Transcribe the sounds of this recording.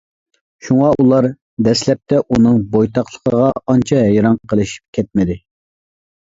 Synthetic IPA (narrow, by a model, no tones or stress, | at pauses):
ʃuŋɑʔulˠɑɾ | d̪ɛslɛp̚t̪ʰɛʔunɨŋbojt̪ʰɑχlˠəqʰəʁɑɑnt͡ʃʰɑɦɛjɾɑŋqʰəlˠɨʃi̥p̚kʲʰɛt̪̚mɪd̪ɪ